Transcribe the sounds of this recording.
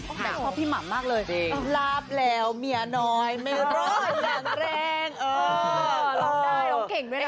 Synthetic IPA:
bɛː˨˩kʰɔː˥˩pʰiː˥˩ma̰˨˩˦mmaː˥˩k̚lɤː˧jʔeː˧˩ŋlaː˦˥p̚lɛː˦˥wmi˧˩ɐnɔː˦˥jma˥˩jɾɔ˦˥jaː˨˩ŋɾɛː˥˩ŋʔɤː˧˥ | ɔ˦ke˨˩ŋdu˥˩˨

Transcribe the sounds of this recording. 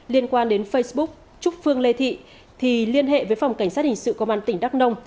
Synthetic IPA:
li˧ənkwaː˧nɗe˨˦nfə˧jsɓʊ˦˥k̚ | t͡ɕʊ˦˥t̚fɨ˧əŋle˧t̪ʰḭ˧˨ | t̪ʰi˨˩li˧ənɦḛ˧˨vəː˨˦jfa˨˩wŋ͡mka˧˩jŋ̟saː˦˥t̚hi˨˩ŋ̟sɨ̰˧˨ko˧mvaː˧nt̪ï˧˩ŋ̟ɗa˦˥k̚nə˧wŋ͡m

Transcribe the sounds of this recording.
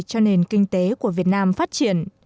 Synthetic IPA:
t͡ɕɔ˧ne˨˩nkï˧ŋ̟t̪e˨˦ku˧˩əvi˨˩ət̚naː˧mfaː˦˥t̚t͡ɕi˧˩ən

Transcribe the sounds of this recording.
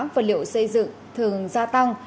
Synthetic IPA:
mvaː˨˩lḭ˧˨ə˨wsə˧jzɨ̰˧˨ŋ | t̪ʰɨ˨˩əŋzaː˧t̪a˧ŋ

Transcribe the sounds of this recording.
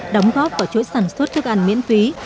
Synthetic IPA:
ɗə˨˦wŋ͡mɣɔ˦˥p̚kɔː˧˩t͡ɕo̰˧˥jsaː˧˩nswə˦˥t̚t̪ʰɨ˦˥ək̚ʔa˧˩ŋmḭ˧˥ənfi˨˦

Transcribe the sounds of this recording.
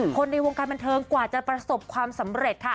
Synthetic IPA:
kʰo˧nːa˧jwoː˧ŋkaː˧nba˧nt̪ʰɤː˧ŋkwaː˨˩t͡ɕa˨˩pɾa˧so˨˩p̚kʰwaː˧msa˩˦mɾe˨˩t̪̚kʰa˦˥˩

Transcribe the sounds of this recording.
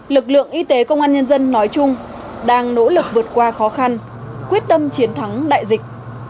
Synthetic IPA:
lɨ˨˩k̚lɨ̰˧˨əŋʔi˧t̪e˨˦kə˧wŋ͡mʔaː˧nɲə˧nzə˧nːɔ˨˦jt͡ɕʊ˧ŋ͡m | ɗaː˧ŋno̰˧˥lɨ˨˩k̚vɨ˨˩ət̚kwaː˧xɔ˨˦xa˧n | kwi˦˥ət̚t̪ə˧mt͡ɕi˨˦ənt̪ʰa˨˦ŋɗa̰ː˧˨jzï˨˩k̟̚

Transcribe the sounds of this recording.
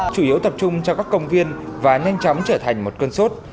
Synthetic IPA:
t͡ɕu˧˩ʔi˨˦əwt̪ə˨˩p̚t͡ɕʊ˧ŋ͡mt͡ɕɔ˧wkaː˦˥kːə˧wŋ͡mvi˧ənvaː˨˩ɲa˧jŋ̟t͡ɕɔ˨˦mt͡ɕəː˧˩t̪ʰa˨˩jŋ̟mo˨˩t̚kəː˧nso˦˥t̚

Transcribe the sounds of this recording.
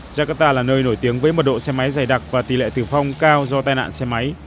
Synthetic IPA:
zaː˧kaː˦˥k̚t̪aː˧laː˨˩nəː˧jno˧˩jt̪i˨˦əŋvəː˨˦jmo˨˩t̚ɗo̰˧˨sɛ˧ma˨˦jzaː˨˩jɗa˨˩k̚vaː˨˩t̪i˨˩lḛ˧˨t̪ɨ˨˩fa˧wŋ͡mkaː˧wzɔ˧t̪aː˧jna̰ː˧˨nsɛ˧ma˨˦j

